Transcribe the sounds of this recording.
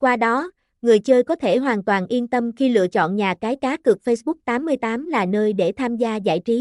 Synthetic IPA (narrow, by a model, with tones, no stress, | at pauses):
kwaː˧ɗɔ˨˦ | ŋɨ˨˩əjt͡ɕəː˧jkɔ˨˦t̪ʰe˧˩ɦwaː˨˩nt̪waː˨˩nʔi˧ənt̪ə˧mxi˧lɨ̰˧˨ət͡ɕɔ̰˧˨nɲaː˨˩kaː˨˦jkaː˨˦kɨ˨˩ək̚fə˧jsɓʊ˦˥k̚t̪aː˨˦mːɨ˧əjt̪aː˨˦mlaː˨˩nəː˧jɗe˧˩t̪ʰaː˧mzaː˧za̰ː˧˩jt͡ɕi˨˦